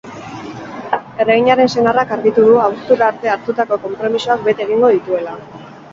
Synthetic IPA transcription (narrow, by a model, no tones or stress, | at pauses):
e̞raɣiɲaɾe̞nse̞narakaɾɣit̪uðuawst̪uɾaːɾt̪e̞aɾt̪ut̪ako̞ko̞mpɾo̞misoak̚be̞t̪e̞ɣ̞iŋɡo̞ð̞it̪ue̞la